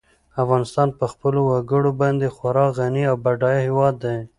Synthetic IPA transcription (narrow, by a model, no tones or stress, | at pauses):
afɣɑnɪst̪ɑnpəxpəlowaɡəɽobɑnd̪exwaɾɑɣaniawbaɖɑjihɪwɑd̪ːaj